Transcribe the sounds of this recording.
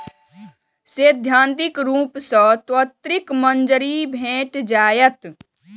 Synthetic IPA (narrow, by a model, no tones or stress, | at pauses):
seːd̪ʱjãːnt̪ɪkɾuːpsə̃t̪wət̪ɾɪkmənd͡ʒəɾibʱẽːʈd͡ʒaːjət̪